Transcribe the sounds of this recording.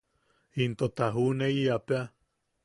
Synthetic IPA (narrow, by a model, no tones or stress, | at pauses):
int̪ot̪aɦuneiapea